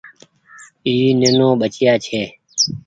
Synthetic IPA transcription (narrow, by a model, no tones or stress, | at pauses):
iːneːnõːɓət͡ʃjaːt͡ʃʰeː